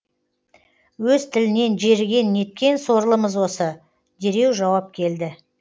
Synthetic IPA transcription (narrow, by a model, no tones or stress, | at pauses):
wɵzt̪ʰɪlɪne̞nʒe̞ɾɡʲe̞nːe̞t̪̚kʲe̞nso̞ɾlˠəməzwo̞sə | d̪e̞ɾe̞wʒɑwɑp̚kʲʰe̞ld̪ɪ